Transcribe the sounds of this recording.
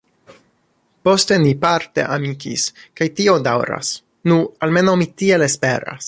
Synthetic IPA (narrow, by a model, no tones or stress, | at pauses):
po̞ste̞nipaɾte̞̰ʔamikḭskajtio̞dawɾa̰s | nualme̞nawmitielespe̞ɾa̰s